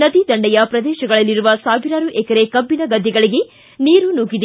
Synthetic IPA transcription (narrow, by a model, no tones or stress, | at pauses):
nɐd̪id̪ɐɳɖɛjɐpɾɐd̪ɛːʃɐɡɐɭɐlːiɾuʋɐsaːbiɾaːɾuʔɛkɐɾekɐbːinɐɡɐd̪ʱːɛɡɐɭiɡe̞ | niːɾunuːɡid̪